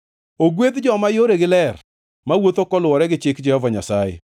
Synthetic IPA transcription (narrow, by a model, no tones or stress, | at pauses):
oɡwet̪d͡ʒɔmajoɾeɡɪlɛr | mawot̪okɔlwɔɾɛɡɪt͡ʃɪkd͡ʒɛhɔvaɲa̰sajḛ